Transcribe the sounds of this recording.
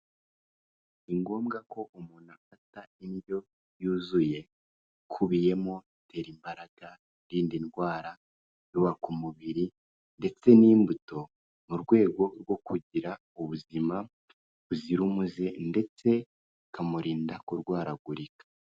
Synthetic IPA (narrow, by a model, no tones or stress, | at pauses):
iŋɡo̞ːmɡako̞ʔumuːnafataindjo̞ | juːzuje̞ | kʰuβije̞mo | tʰe̞ɾimbaɾaɡ̥a | ɾiːndinɡwaːɾa | juβakumuβiɾi | nde̞t͡se̞niːmbuto̞ | muɾɡwe̞ːɡo̞ɾwo̞kuɟiɾa | uβuzima | βuziɾumuzende̞t͡se̞ | kamuɾiːndakoɾɡwaːɾaɡuɾikḁ